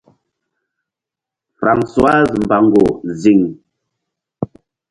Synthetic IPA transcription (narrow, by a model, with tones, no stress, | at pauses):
fɾa˨ŋswa˦zm̩˨ba˨ŋɡo˨zi˨ŋ